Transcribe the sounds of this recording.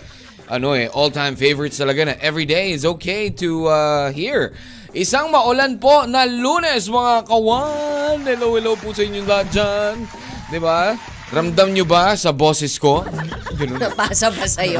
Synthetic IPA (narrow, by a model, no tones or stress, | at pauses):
ʔɐ̰noɛʔolt̪ʰãjmfejvəɹɪt̪st̪ɐlɐɡanɐʔɛvɹid̪ejɪts̬oːkʰejt̪uaɦiɹ | ʔɪsaŋmɐʔʊlanpo̞nɐluːnɛsmɐŋakɐwanːɪlowɪlowpusɐɪɲːond̪at̚d͡ʒan | d̪ɪba | ɾɐmd̪amɲobasɐbo̞ːsɛsko̞ɡɐnoɐpaːsɐbɐsɐjo